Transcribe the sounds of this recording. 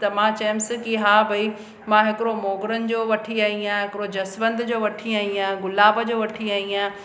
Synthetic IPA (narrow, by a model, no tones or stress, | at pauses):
t̪ɐmãt͡ɕɐjmsɪ̃kiɦaːbʱɐi | mãɦɪkɪɾomoːɡɪɾənɪ̆d͡ʑoːʋɐʈʰiaːiãːɦɪkɪɾod͡ʑɐsʋə̃nd̪ʱd͡ʑoːʋɐʈʰiaːiãːɡʊlaːbəd͡ʑoːʋɐʈʰiaːiãː